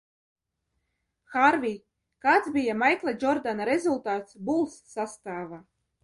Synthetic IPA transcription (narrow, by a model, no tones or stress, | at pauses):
xaɾvʲij | kaːt̪zbʲijamajklˠad͡ʒɔɾd̪anaɾezulˠt̪aːt̪sbulˠsːast̪aːva